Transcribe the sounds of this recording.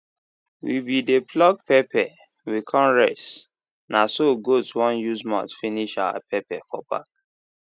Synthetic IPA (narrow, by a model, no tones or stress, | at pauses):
wibideplɔɡ̚pɛpɛ | wikʰɔ̃mɹɛs | nasoɡotwɔ̃njuzmã̰tfiniʃawa̰pʰɛpɛfɔ̰ba̰k̚